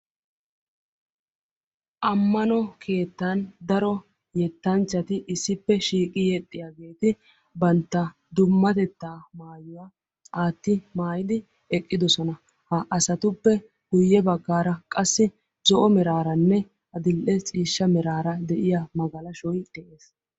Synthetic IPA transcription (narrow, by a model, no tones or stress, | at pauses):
ʔɐmːɐnɔkʰe̞ːt̪ːɐnd̪ɐɾɔ | jɛt̪ːɐnt͡ʃːɐt̪ɪʔɪsːɪpːɛʃiːkʼɪjɛt̪ʼːɪjaɡe̞ːt̪ɪ | bɐnt̪ːɐ | d̪ʊmːɐt̪ɛt̪ːaːmaːjʊwa | aːt̪ːɪmaːjɪd̪ɪ | ɛkʼːɪd̪ɔsɔnɐ | hɐʔɐsɐt̪ʊpːɛ | ɡ̥ʊjːɛbɐɡːaːɾɐkʼɐsːɪ | zɔʔɔmɛɾaːɾɐnːɛ | ɐd̪ɪlʔɛt͡sʼiːʃːɐmɛɾaːɾɐd̪ɛʔɪjamɐɡɐlɐʃɔjd̪̥ɛʔeːs